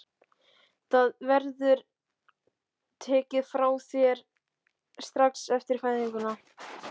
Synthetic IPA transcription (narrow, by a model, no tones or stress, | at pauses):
θaðvɛɾðʏɾ | t̪ʰɛːcɪðfɾaːwθjɛɾ | st̪ɾaksɛft̪ɪɾ̥fajðiŋkʏna